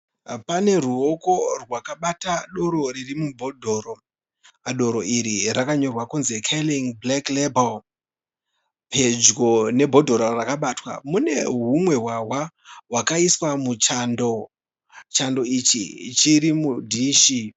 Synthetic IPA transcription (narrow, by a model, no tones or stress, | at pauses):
pane̞ruo̞ko̞rwakaɓataɗo̞ɾo̞ririmubʱo̞dʱo̞ːɾo | aɗo̞ɾo̞ʔiɾirakaɲo̞rwakunzekʰeliŋblaklebal | pʰe̞d͡ʒɡo̞ne̞bʱo̞dʱo̞ɾorakaɓaːtwa̰mune̞ɦumwe̞ɦwawa | wakaiswamut͡ʃando | t͡ʃando̞it͡ʃḭt͡ʃiɾimudʱiːʃi